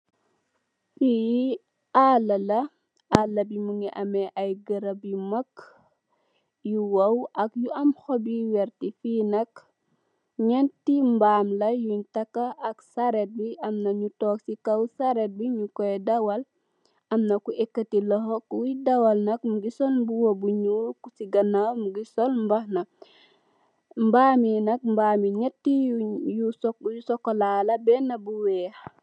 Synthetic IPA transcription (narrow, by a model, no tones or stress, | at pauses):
bi | alɐlɐ | alːɐbimuŋiʔɐmɛʔɐjɡəɾɐbimɐk | juwɐwɐkjuɐmxɔbiwɛɾtifinɐk | ɲɛntimbaːmlɐjuɲtɐkːɐʔɐksɐɾɛt̚biʔɐmnɐɲutoːksikawsaɾet̚biɲukoedawɐl | ɐmnɐkuʔekːatiloɦokwidɐwalnɐk̚muɡisolbuwobuɲuːɾkusiɡɐnawmuɡisolmbahnɐ | mbaːminɐk̚mbaːmiɲetːijujusokːolalɐbɛnːɐbuweːh